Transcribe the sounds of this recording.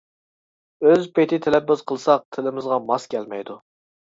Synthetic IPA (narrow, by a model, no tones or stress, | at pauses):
øzpʰet̪ʰɪt̪ʰelɛpːɪz̥qʰəlˠɨsɑq̚t̪ʰɪlɪmɪzʁɑmɑskʲʰɛlmɛ̰jd̪u